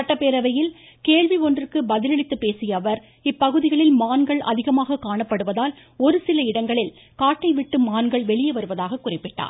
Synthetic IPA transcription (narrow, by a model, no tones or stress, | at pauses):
ɐʈːɐpːeːɾɐʋɐjɪl | keːɭʋiɔndrɯkɯbɐðɪlɐɭɪt̪ːɯpːeːsɪjɐːʋɐɾ | ɪpːɐɣɯðɪɣɐɭɪlmaːnɡɐɭʔɐ̰ðɪɣɐmaːɣɐkaːɳɐpːɐɽɯʋɐðaːl | ɔɾɯsɪlɐɪɽɐŋɡɐɭɪl | kaːʈːɐɪʋɪʈːɯmaːnɡɐɭʋɛɭɪjɐʋɐɾɯʋɐðaːɣɐkːʊrɪpːɪʈːa̰ː